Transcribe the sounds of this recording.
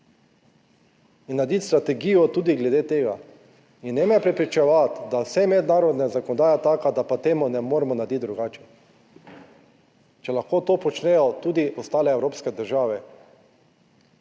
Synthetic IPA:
inːad̪it̪st̪ɾat̪ɛɡiːjɔt̪uːd̪iɡlɛd̪eːt̪eːɡa | inːɛmɛpɾɛpɾit͡ʃɛʋat̪d̪asɛmɛd̪naːɾɔd̪nazakɔnɔd̪aːjat̪aːkad̪apat̪eːmunɛmoːɾɛmɔnad̪it̪̚d̪ɾuɡaːt͡ʃɛ̥ | t͡ʃɛlaxkoːt̪oːpɔt͡ʃnɛjɔt̪uːd̪iʔɔst̪aːlɛːwɾoːpskɛd̪əɾʒaːʋɛ

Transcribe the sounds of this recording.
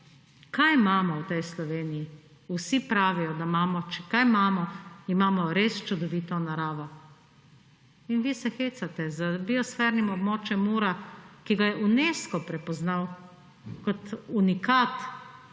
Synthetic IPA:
kajmaːmɔwt̪ɛjslɔʋeːniji | usipɾaːʋijɔd̪amaːmɔt͡ʃɛkajmaːmɔimaːmɔɾest͡ʃud̪ɔʋiːt̪ɔnaɾaːʋɔ | inʋiːsɛxeːt̪sat̪ɛzəbiɔsfɛɾnimɔbmɔːt͡ʃjɛmːuɾakiɡajɛʔuneːskɔpɾɛpɔznaw | kɔt̪unikaːt̪

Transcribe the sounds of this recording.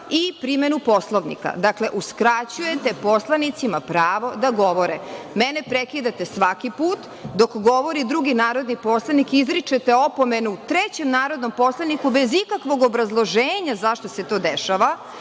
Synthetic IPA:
ipɾimenupo̞slˠoʋnḭka̰d̪akle̞ʔuskɾat͡ɕuje̞t̪e̞po̞slˠanit̪simapɾaːʋo̞d̪aɡo̞ʋo̞ɾemenepɾekid̪at̪esʋakipuːt̪ | d̪o̞kɡo̞ʋo̞ɾid̪ɾuɡinaːɾo̞d̪nipo̞slˠanikizɾit͡ʃet̪eo̞po̞me̞nuut̪ɾet͡ɕe̞mnaːɾo̞d̪no̞mpo̞slˠanikubezikakʋo̞ɡo̞bɾazlˠo̞ʒeːɲazaʃt̪ose̞t̪o̞ːd̪eʃaʋa

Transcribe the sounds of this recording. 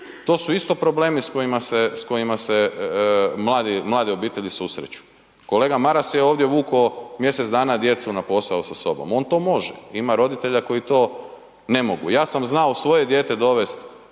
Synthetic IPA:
t̪o̞ːsuist̪o̞pɾo̞ble̞ːmisko̞jimasesko̞imase | mlˠaːd̪imlˠaːd̪io̞biːt̪eʎisusɾḛt͡ɕu̥ | ko̞le̞ːɡamaɾaseo̞ːʋd̪jeʋuːkomje̞set̪d̪aːnad̪je̞t̪seunapo̞sausaso̞̰bo̞̰mo̞ːnt̪o̞ːmo̞ʒḛimaɾo̞d̪it̪e̞ʎako̞jit̪o̞ː | ne̞mo̞ɡṵjaːsamznaosʋo̞je̞d̪je̞ːt̪ed̪o̞ʋe̞st̪

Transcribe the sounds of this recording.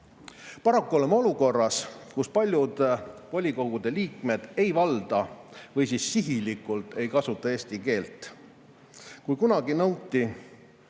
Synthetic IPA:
pɑɾɑkːuo̞lemo̞luko̞rːɑskuspɑlʲjud̪̥vo̞lʲiko̞ɡ̥ud̪̥e̞liːkme̞d̪̥e̞jvɑld̪̥ɑvɤjsisːiɦilikˑult̪ˑe̞jkɑsut̪ːˑɑe̞ːst̪ike̞ːlt̪ˑː | kujkunɑɡinɤwt̪ʲːi

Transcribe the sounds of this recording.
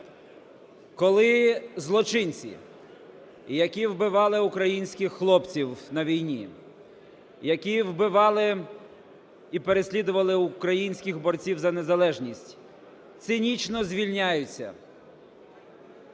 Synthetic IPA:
kɔlˠɪzlˠɔt͡ʃɪnʲt͡sʲḭ | jɐkʲiwbɪʋɑlˠɪʊkɾɐjinʲsʲkʲɪxːlˠɔpt͡sʲiwnɐʋʲijnʲi | jɐkʲiwbɪʋɑlˠɪ | ipeɾesʲlʲid̪ʊʋɐlˠɪʊkɾɐjinʲsʲkʲɪɣbɔrt͡sʲiwzɐnezɐlˠɛʒnʲisʲtʲ | t̪sɪnʲit͡ʃnɔzʲʋʲilʲnʲajʊt͡sʲːɐ̰

